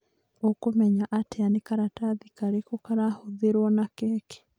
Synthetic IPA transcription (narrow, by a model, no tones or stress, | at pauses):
okomɛɲaʔateanekaɾataðikaɾekokaɾahoðeɾwɔnakɛːke̥